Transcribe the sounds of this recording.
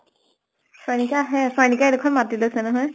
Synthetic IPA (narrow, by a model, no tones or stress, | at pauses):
sɔjnikaɦɛsɔjnikaɛdekʰɔnmatilosɛnɔɦɔj